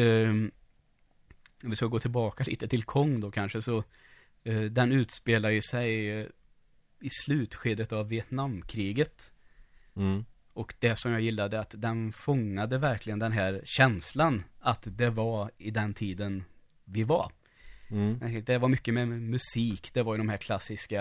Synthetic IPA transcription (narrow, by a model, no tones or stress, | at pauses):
ɔvɪskaɡoːt̪ʰɪlbɑːkalḭːt̪ət̪ʰɪlkʰɔŋːd̪okʰanʂəsɔ | d̪ɛnʉ̟ːt̪speːladjəsɛj | ɪslʉ̟ːt̪ɧeːd̪ət̪avːɪɛt̪namːkʰɾiːɡət̪ | ɔkd̪̥ɛsɔmjaːjɪlːad̪əat̪d̪ɛnfɔŋːad̪əvæɾklɪɡənd̪ɛnɦæːɾɕɛnslanat̪d̪ɛvaɾɪd̪ɛnt̪ʰiːd̪ən | vɪva̰ɾ | ɛd̪ɛvaɾmʏkːəmɛmɵsiːkd̪ɛvaɾjɵd̪ɔmɦæːɾkʰlasːɪska